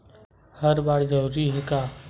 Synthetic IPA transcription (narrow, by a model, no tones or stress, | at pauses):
həɾbaːɽd͡ʒəɦuɾiɦekaː